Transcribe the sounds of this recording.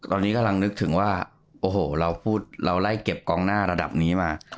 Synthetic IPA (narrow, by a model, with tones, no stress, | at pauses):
t̪ɔː˧nːiː˦˥ka˧la˧ŋnɯ˦˥k̚t̪ʰɯ˩˦ŋwaː˥˩ | ʔoː˨˧˩hoː˨˩ɾa˧wpʰuː˥˩t̪̚ɾa˧wla˥˩jke˨˩p̚kɔː˧ŋnaː˥˩ɾa˧da˨˩p̚niː˦˥maː˧